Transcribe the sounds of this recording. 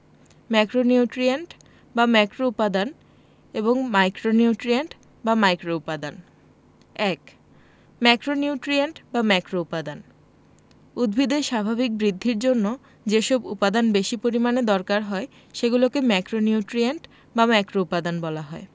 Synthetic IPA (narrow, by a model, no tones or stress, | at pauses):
mɛkɾoniuʈɾieɳʈ | bamɛkɾoupad̪an | eboŋmajkɾoniuʈɾieɳʈ | bamajkɾoupad̪an | ɛk | mɛkɾoniʈɾieɳʈbamɛkɾoupad̪an | ud̪bʱid̪eʃabʱabik̚bɾid̪ʱːiɾd͡ʑonːo | d͡ʑeʃɔbupad̪anbeʃipoɾimaned̪ɔɾkaɾɦɔe | ʃeɡulokemɛkɾoniuʈɾienʈ | bamɛkɾoupad̪anbɔlaɦɔe